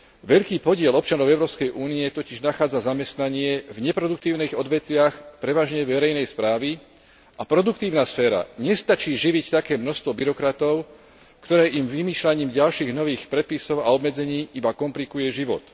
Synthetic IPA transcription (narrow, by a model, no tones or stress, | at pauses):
ʋɛʎkiːpɔɟɪɛlɔp̚t͡ʃanɔʊɛʊɾɔːpskɛjʔuːniɛt̪ɔciʒnaxaːd͡zazamɛst̪naɲɪɛvɲɛpɾɔd̪uk̚t̪iːʊniːɣɔd̪ʋɛt̪ʋɪaxpɾɛʋaːʒɲɛʋɛɾɛjnɛjspɾaːʋi | ʔapɾɔd̪uk̚t̪iːʊnasfɛːɾa̰ɲɛst̪at͡ʃiːʒiʋict̪akɛːmnɔst̪ʋɔbiɾɔkɾat̪ɔʊ | kt̪ɔɾɛːʔimʋimiːʃlaɲiːmɟalʃiːɣnɔʋiːxpɾɛt̪̚pisɔʊaɔbmɛd͡zɛɲiːʔibakɔmplikujɛʒiʋɔ̰t̪